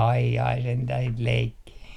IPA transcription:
ɑi jɑi sentæh sit leikːiː

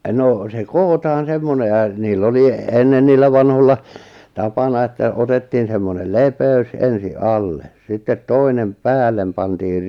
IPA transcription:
no se koːtɑːn̞ semːone jɑ niːlː oli enːen niːlːæ ʋɑnholːɑ tɑpɑnɑ etːæ otetːiːn semːonel lepeys ensi ʔɑlːe sitːet toinem pæːlːem pɑntiːr

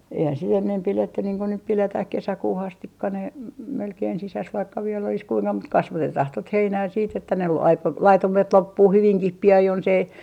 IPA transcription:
eihæn sit enːem piletːy niːŋ ku nyp piletæh kesækuːh ɑstikːɑ ne m melkein sisæs ʋɑikːɑ ʋielː olis kuiŋkɑ mut kɑsʋɑtetɑh tot heinæː siːt etːæ ne ʋoi ɑik lɑitumet lopːuː hyʋiŋkih piɑn jonsei

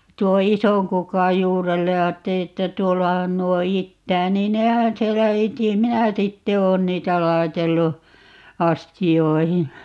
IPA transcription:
tuo isoŋ kukɑj juːrelːej jɑ ɑːtːeli etːæ tuolːɑhɑn nuo itːæː niːn nehæn sielːæ iti minæ sitːe oːn niːtæ lɑi̯telːu ɑstioihi

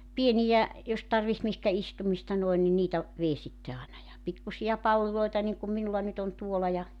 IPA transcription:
pienijæ jos tɑrʋiht mihkæ istumistɑ noen ni niːtæ ʋei sitːe ɑːnɑ jɑ pikːusiɑ pɑlːiloitɑ niŋkum minulːɑ nyt on tuolɑ jɑ

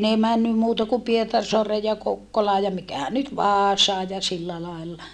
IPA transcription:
ne mænːym muːtɑ ku pietɑrsoɑreːj jɑ kokːolɑː jɑ mikæhæn nyt ʋɑːsɑːj jɑ silːæ lɑˑilːɑ

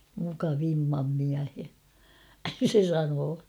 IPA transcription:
mukɑʋimːɑm miæhe se sɑnoː

